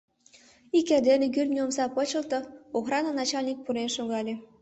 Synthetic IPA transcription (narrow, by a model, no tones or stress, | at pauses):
ikæd̪enʲekyrʲnʲiomsɑpɤ̆t͡ɕɤ̆lt̪ɤ̆oxrɑnɑnɑt͡ɕɑlʲnʲik̚puɾenʃoɣɑlʲe